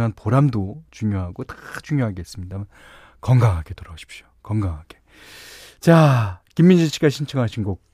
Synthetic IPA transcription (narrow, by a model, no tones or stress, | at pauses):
ŋɦanpoɾamdot͡ɕuŋjoɦaɡotḁt͡ɕuŋjoɦaɡeis͈ɯmɲidaman | kʌŋɡaŋɦaɡetoɾaɡoɕʰi̥p̚ɕ͈o̥kʌŋɡaŋɦaɡ̥e̥ | t͡ɕakimːind͡ʑit͡ɕʰi̥ɡaɕʰint͡ɕʰʌŋɦaɕʰinɡok̚